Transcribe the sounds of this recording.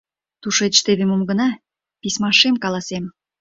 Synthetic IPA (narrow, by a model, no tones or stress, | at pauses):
t̪uʃet͡ɕt̪eβemumɡə̆nɑ | pismɑʃemkɑlɑsem